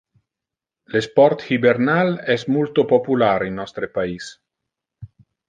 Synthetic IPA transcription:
lespɔrt̪hibernalɛsmult̪opopulaɾinːɔst̪ɾepais

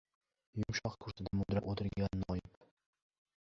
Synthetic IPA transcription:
jʊmʃɒqkʰʊɾsɪd̪amʊd̪ɾaʔot̪ʰɪɾɡʲanːɒjɪp

